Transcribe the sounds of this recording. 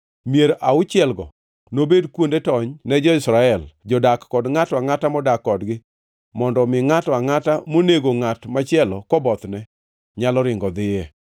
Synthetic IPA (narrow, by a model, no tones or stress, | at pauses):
mijeɾʔaʊt͡ʃɪɛlɡɔ̰ | nobedkwondetɔɲnɛd͡ʒɔɪsɾaɛld͡ʒɔdakːɔdŋataŋatamɔdakːɔdɡɪ | mɔndɔmɪŋatwaŋatamoneɡoŋatmat͡ʃɪɛlɔkɔbɔt̪nɛ | ɲalɔɾɪŋɡɔd̪ɪjɛ